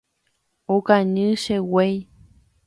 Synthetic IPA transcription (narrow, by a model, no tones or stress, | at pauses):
okaɲɨ̃ʃewej